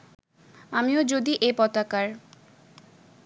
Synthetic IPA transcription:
amiod͡ʑod̪iʔepɔt̪akaɾ

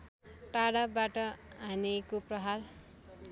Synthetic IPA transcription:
ʈaɽabaʈʌɦanekoprʌɦar

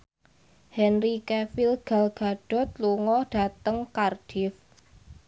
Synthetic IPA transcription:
hɛnrikɛfilɡ̥a̤lɡ̥a̤ɖ̥ɔ̤t̪̚luŋɔɖ̥a̤t̪əŋkard̥if

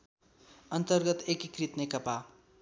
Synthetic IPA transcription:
ʌnt̪ʌrɡʌt̪ekikrit̪nekʌpa

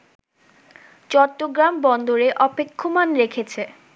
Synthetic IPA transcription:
t͡ɕɔɾʈːoɡɾambɔnd̪oɾeʔɔpekʰːomanɾekʰet͡ɕʰe

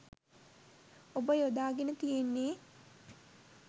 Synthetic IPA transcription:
obəjod̪aːɡenət̪ijenːeː

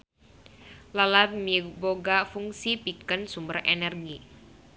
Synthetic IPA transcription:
lalamiboɡafuŋsipikənsumbərɛnɛrɡi

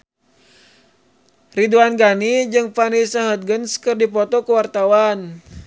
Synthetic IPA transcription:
riduanɡanid͡ʒɨŋpanisaɦət̪̚ɡənskɨrdipɔt̪ɔkəwart̪awan

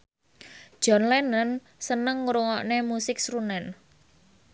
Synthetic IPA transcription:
d̥ʒ̥ɔ̤nlɛnən | sənəŋːuɾuŋɔʔnemusɪk̚sɾunɛn

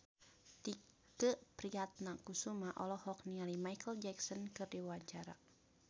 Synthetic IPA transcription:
t̪i | kəʔpɾiat̪̚nakusumaʔɔlɔhɔk̚nialimaikəld͡ʒɛksɔnkɨrdiuaɲt͡ʃaɾa̰

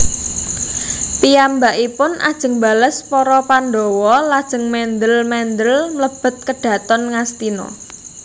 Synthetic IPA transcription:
pijambaʔipʊnʔa̰d̥ʒ̥ə̤ŋba̤ləspɔɾɔpand̪owɔlad̥ʒ̥ə̤ŋmɛnd̪əlmɛnd̪əlmləb̥ə̤t̪̚kəɖ̥ä̤t̪ɔnŋast̪inɔ̰

